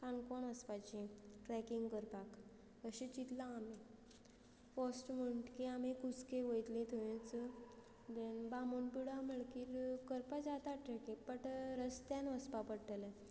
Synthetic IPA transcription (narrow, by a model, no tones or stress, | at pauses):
kankɔɳʋəspat͡ɕĩʈɾɛkiŋɡkəɾpak | əɕet͡ɕit̪lãːme | fɔsʈm̤əɳʈkiamekut͡skeʋəjt̪lẽt̪ʰojẽt͡s | d̪enbamonpiɽam̤əɭkiːɾkəɾpad͡zat̪aʈɾɛkĩpəʈɾəst̪janʋəspapəɽʈəle